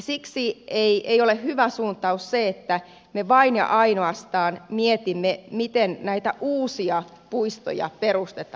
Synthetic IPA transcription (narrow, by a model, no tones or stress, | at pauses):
siksieiʔeiolehyʋæsuːnt̪ˑɑusseet̪ːæ | meʋɑinjɑ̰ʔɑinoɑst̪ɑːnmiet̪imːemit̪ennæit̪æʔuːsiɑ | puist̪o̰jɑ̰perust̪et̪ˑɑ